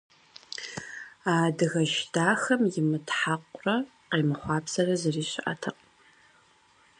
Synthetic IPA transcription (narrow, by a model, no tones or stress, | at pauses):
aːdɨɣɐʃdaːxɐmjɪmɨtħaqʷʼʊrɐ | qeːmɨχʷɑːpʰsɐrɐzɐriːɕɪʔa̰tʰɐq